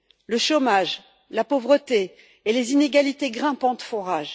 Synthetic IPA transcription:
ləʃomaʒ | lapovʁət̪eː | lezineɡʲalit̪eɡʁɛ̃pɑ̃t̪fɔʁaʒ

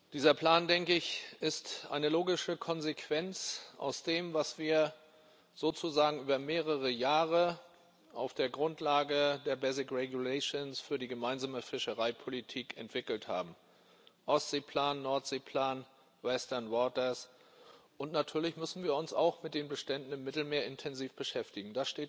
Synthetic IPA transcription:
d̥iːzɐpʰl̥aːndɛŋkəɪçɪstʔa̰ɪnəloːɡɪʃəkʰɔnzekʰv̥ɛnt͡sʔa̰ʊsd̥eːmvasv̥iːɐ | z̥oːt͡suzaːɡŋ̩ʔyːbɐmeːʁəʁ̞əjaːʁə | ʔaʊfd̥eːɐɡʁʊntʰlaːɡədeːɐbɛzɪkʁɛɡjulɛɪʃonsfyːɐdiːɡəmaɪnzaːməfɪʃəʁaɪpʰolitʰiːkɛ̰ntv̥ɪkl̩tha̰ːbm̩ | ʔɔstz̥eːpʰl̥aːnːɔɐtz̥eːpʰl̥aːn | vɛstɐɐnvɔːtɐs | ʔʊntnatʰyːɐlɪçmʏsn̩viːɐʊnsa̰ʊxmɪt̚d̥eːnbəʃtɛndn̩ɪmːɪtl̩meːɐɪntʰɛnziːfb̥əʃɛftɪɡŋ̩d̥asʃteːt

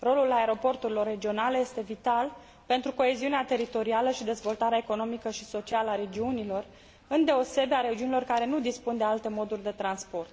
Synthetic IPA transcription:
ro̞lulaeɾo̞po̞rt̪uɾilo̞rːe̞d͡ʒio̞naleje̞st̪e̞vit̪al | pe̞nt̪ɾuko̞e̞ziuneat̪e̞ɾit̪o̞ɾialəʃid̪e̞zvo̞lt̪aɾeaeko̞no̞mikəʃiso̞t͡ʃialəaɾe̞d͡ʒiunilo̞r | ɨnd̪e̞o̞se̞beaɾed͡ʒiunilo̞rkaɾe̞nud̪ispund̪e̞alt̪e̞mo̞d̪urʲd̪e̞t̪ɾanspo̞rt̪

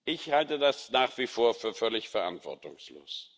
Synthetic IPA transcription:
ʔɪçhaltədasnaːχv̥iːfoːɐfyːɐfœlɪçfɛɐʔa̰ntv̥ɔ̰ɐtʊ̰ŋslo̰ːs

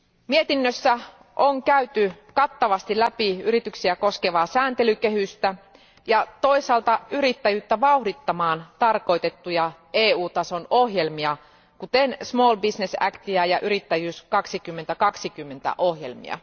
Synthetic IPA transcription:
miet̪inːøsːæ | ʔoŋkæyt̪ykɑt̪ːɑʋɑst̪ilæpiyɾit̪yksiæko̞skeʋɑːsæːnt̪e̞lyke̞hyst̪æ | jɑt̪o̞isɑːlt̪ɑyɾit̪ːæjyːt̪ːæʋɑuhdit̪ːɑmɑːnt̪ɑrko̞it̪e̞t̪ːujɑ | eːuːt̪ɑso̞nohje̞lmiɑ | kut̪ensmoːlbisnesæ̰kt̪iæjɑʔyɾit̪ːæjyːskɑksikymːent̪ækɑksikymːe̞nt̪æ̰ʔohje̞lmḭɑ̰

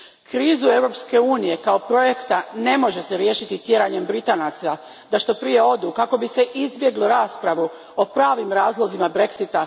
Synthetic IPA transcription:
kɾiːzue̞ʋɾo̞pske̞uːnije̞kao̞pɾo̞je̞kt̪ane̞mo̞ʒe̞seɾje̞ːʃit̪it̪je̞ɾaɲe̞mbɾit̪aːnat̪sa | d̪aʃt̪o̞pɾije̞o̞d̪ukako̞bise̞ʔizbje̞ɡloɾaːspɾaʋu | opɾaːʋimɾaːzlˠo̞zimabɾe̞ksit̪a

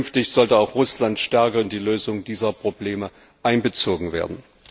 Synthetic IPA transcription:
nftɪçz̥ɔltəaʊxʁ̥ʊslantʃtɛɐkəʊntd̥iːløːzʊŋdiːzɐpʁ̥obleːmə | ʔaɪnbət͡soːɡŋ̩vḛːɐdn̩

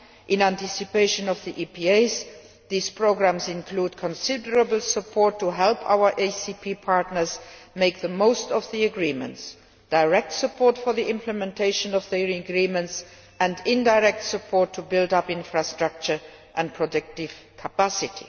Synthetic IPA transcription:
ʔɪ̃næ̃ntɪsɨpeɪʃə̃nɔvðiʔipʰieɪz | ðiːz̥pʰɹ̥oʊɡɹæ̃mzɪ̃nkʰl̥uːdkʰə̃nsɪdə˞əbl̩ˠsəpʰɔɹtʰːuɦɛlpʰa̰ʊə˞ʔeɪsipʰipʰɑɹtnə˞zmeɪk̚ðəmoʊstʌvðiəɡɹĩmə̰̃nts | d̥aɪɹɛk̚tsəpʰɔɹtfə˞ðiɪ̃mpʰləmɛ̃ntʰeɪʃə̃nʌvðəɹɡɹĩmə̃nts | ɨ̃ndɪ̃ndaɪɹɛk̚tsəpʰɔɹtʰubɪlˠdʌpɪ̃nfɹastɹ̥ʌk̚t͡ʃə˞ | ʔə̃npʰɹɔdɪk̚tɪv̥kʰəpæsɪtʰḭ

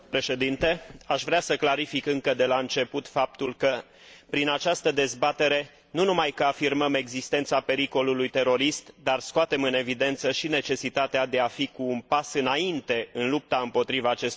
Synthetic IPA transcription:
pɾe̞ʃe̞d̪int̪e̞aʃvɾeasəklaɾifikɨŋkəd̪e̞laɨnt͡ʃe̞put̪fap̚t̪ulkə | pɾinat͡ʃast̪əd̪e̞zbat̪e̞ɾe̞ | nunumajkəafirməme̞ɡzist̪ent̪sape̞ɾiko̞lulujt̪e̞ɾo̞ɾist̪d̪arskoat̪e̞mɨne̞vid̪e̞nt̪səʃine̞t͡ʃe̞sit̪at̪ead̪e̞afikuːnpasɨnaint̪e̞ɨnlup̚t̪aɨmpo̞t̪ɾivaːt͡ʃe̞s

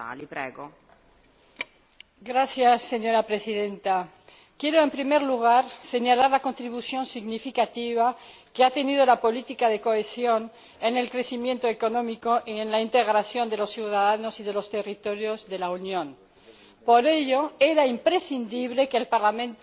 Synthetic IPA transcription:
a̰lipɾɛ̰ːɡo | ɡɾasjasːe̞ɲo̞ɾapɾe̞siðe̞nt̪a | kje̞ɾoe̞mpɾimeɾluɣ̞aɾse̞ɲalaɾlako̞nt̪ɾiβusjo̞nsiɣnifikat̪iβakeat̪e̞nið̞olapo̞lit̪ikaðe̞ko̞esjo̞n | ene̞lkɾe̞simje̞nt̪oeko̞nõ̞mikoʔienlaint̪e̞ɣɾasjo̞nd̪e̞lo̞sθjuwðaðano̞siðe̞lo̞st̪e̞rit̪o̞ɾjo̞zðe̞launjõn | po̞ɾe̞ʎo̞e̞ɾaimpɾesind̪iβ̞le̞keːlpaɾlamẽnt̪

